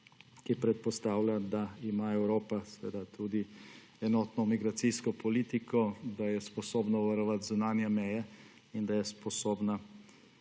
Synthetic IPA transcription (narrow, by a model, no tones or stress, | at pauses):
kipɾɛt̪̚pɔst̪aːwlad̪aimaɛwɾoːpasʋḛːd̪at̪ʰuːd̪i | ɛnɔːt̪nɔmiɡɾat̪siskɔpɔliːt̪ikɔd̪ajɛspɔsoːbnɔʋaɾɔʋat̪zunaːnjɛmɛjɛ | ind̪ajɛspɔsoːbna